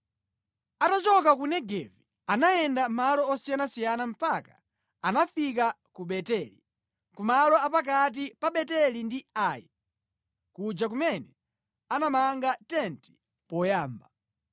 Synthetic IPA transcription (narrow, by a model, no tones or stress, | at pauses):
atat͡ʃɔk̬akunɛɡɛvi | anajɛndamalɔːsijanasijanam̩paka | anafik̬a | kuɓɛtɛli | kumalɔapak̬at̬ipaɓɛtɛlindiaːji | kud͡ʒak̬umɛnɛ | anamaŋɡatɛnti̥ | pɔjaːmba